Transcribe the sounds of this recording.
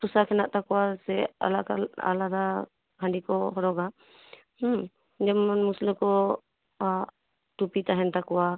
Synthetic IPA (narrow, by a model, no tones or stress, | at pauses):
pusakʰɛnaʔt̪akɔwasɛa̰lakaa̰laɾa | kʰaɳɖikɔhɔɾɔɡa | h̩ | d͡ʒɛmɔnmuslɛkɔ | tupit̪aɦɛnt̪akɔwa